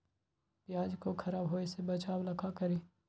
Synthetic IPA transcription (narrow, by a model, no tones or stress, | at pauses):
pjaːd͡ʒkokʰɐɾaːbɦoːesebɐt͡ʃaːwlɐkʰakɐɾiː